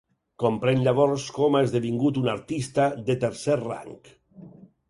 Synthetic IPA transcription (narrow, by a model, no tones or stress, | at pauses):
kompɾenʎaβɔɾskɔmezðeβiŋɡut̪unaɾt̪ist̪ad̪et̪eɾsɛɾra̰ŋk